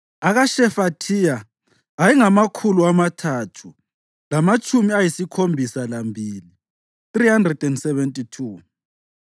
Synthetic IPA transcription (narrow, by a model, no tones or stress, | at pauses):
aɣaʃɛfatʰijaː | jiŋamakʰuluamatʰaːtʰu | lamat͡ʃʼumiajisikʰombʱisalambʱiːli | θrihandrɛdɛndsɛβɛntʼitʰuː